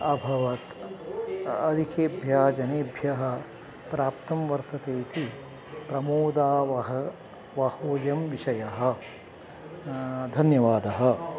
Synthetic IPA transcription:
ɐbʱɐʋɐt̪ | ɐd̪ʱikeːbʱjaːd͡ʒɐneːbʱjɐɦɐ̆ | pɾaːpt̪ɐmʋɐɾt̪ʰɐt̪eːt̪i | pɾɐmoːd̪aːʋɐɦɐ | ʋɐhoːjɐmʋiʃɐjɐɦɐ̆ | d̪ʱɐnjɐʋaːd̪ɐɦɐ̆

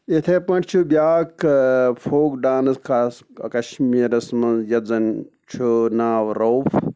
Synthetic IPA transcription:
et̪ʰepɐ̃ɳʈt͡ʃʰubjaːkpʰoːkɖaːnɐskaskɐʃmiːɾɐsmɐnzjɐd͡zɐn | t͡ʃʰunaːʋɾoːfʰ

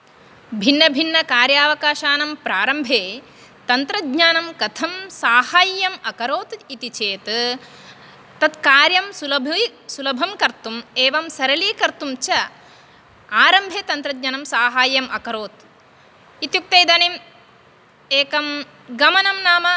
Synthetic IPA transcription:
bʱinːɐbʱinːɐkaːɾjaːʋɐkaːʃaːnɐmpɾaːɾɐmbʱeː | t̪ɐnt̪ɾɐd̪ɲaːnɐmkɐt̪ʰɐmsaːhaːjːɐmɐkɐɾoːt̪it̪it͡ʃeːt̪ | t̪ɐt̪kaːɾjɐmsulɐbʱsulɐbʱɐmkɐɾt̪umeːʋɐmsɐɾɐliːkɐɾt̪umt͡ʃɐ | aːɾɐmbʱeːt̪ɐnt̪ɾɐd̪ɲaːnɐmsaːɦaːjɐmɐkɐɾoːt̪ | it̪juk̚t̪ɐjd̪ɐnim | eːkɐm | ɡɐmɐnɐmnaːmɐ

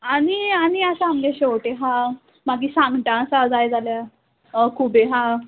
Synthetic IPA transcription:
aɽ̃iaɽ̃iasaamɡaɕowʈeɦã | maɡiːsãŋɡʈ̪ãsad͡zajd͡zalja | kʰubeɦã

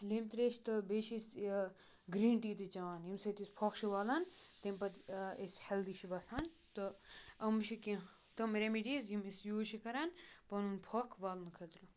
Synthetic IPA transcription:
limt̪ɾeːʃʰt̪ɨbeːʃis | ɡɾiːɳʈiːt̪ɨt͡ʃɐʋaːnjimsɐt̪isʲpʰoːkʃʰiʋaːlant̪empɐt̪esʲhɐld̪iːʃʰibɐsaːn | t̪ɨɐmʃʰiki | t̪ɐmɾemiɖiːzjimisjuːt͡ʃʰikɐɾaːn | pɐnunpʰoːkʰʋaːlnkʰɐlt̪ɾu

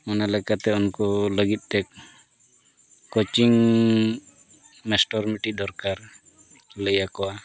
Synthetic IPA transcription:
ɔnalɛkat̪ɛɔnkɔləɡit̪̚ˀt̪ɛk̚ | ɔt͡ʃiŋ | mɛsʈɔɾmiʈid̪ɔɾkaɾ | ləjakɔwa

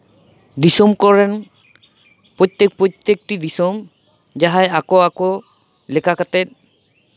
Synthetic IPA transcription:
disɔmkɔɹɛn | pɔt̪ːek̚pɔt̪ːek̚ʈid̪isɔm | d͡ʒaɦajakɔakɔ | lɛkakat̪ɛt̚

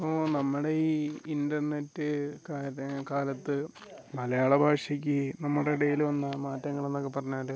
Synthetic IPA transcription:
poːnɐmːuɽeiːindɐrne̞tːɨkaːkaːlɐt̪ːɨ | mɐlɐjaːɭɐbʱaːʂjɐk̬ʲːɨnɐmːuɽeiɽɐjilʋɐnːɐmaːtːɐŋːɐɭenːo̞kːepːɐrɐɲːaːɾɨ

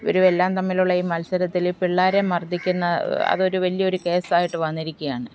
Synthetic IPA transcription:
ʋɐ̰ɾuʋelːaːmt̪ɐmːiluɭːɐiːmɐlsɐɾɐt̪ːilpiɭːaːɾemɐrd̪ʱːikʲːunːɐɐ̰ðo̞ɾuʋɐlijɐo̞ɾuke̞ːsaːjiʈːɨʋɐnːiɾikʲːujaːɳɨ

